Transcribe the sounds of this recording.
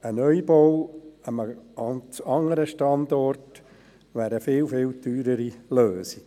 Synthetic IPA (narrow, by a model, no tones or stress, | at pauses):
ənœjbowəməɑnt͡sɑŋəɾəʃtɑndɔrt | ʋæːɾəfɪlfɪːltyːɾəɾiløːsi̥